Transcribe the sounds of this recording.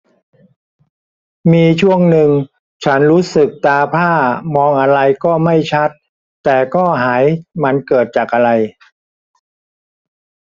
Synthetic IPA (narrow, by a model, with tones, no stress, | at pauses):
miː˧t͡ɕʰu˥˩əŋnɯ˧ŋ | t͡ɕʰa˦˥nɾuː˦˥sɯ˨˩k̚t̪aː˧pʰaː˥˩mɔː˧ŋʔa˧ɾa˧jkɔː˥˩ma˥˩jt͡ɕʰa˦˥t̪̚ː | ɛː˨˩kɔː˥˩ɦaː˩˦jma˧nkɤː˨˩t̪̚t͡ɕaː˨˩k̚ʔa˧ɾa˧j